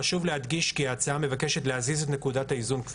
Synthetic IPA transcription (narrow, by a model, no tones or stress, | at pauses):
aʃuvlehad̪ɡiʃkiaːt͡saame̞vake̞ʃe̞t̪leɦazizet̪ne̞kudataizunk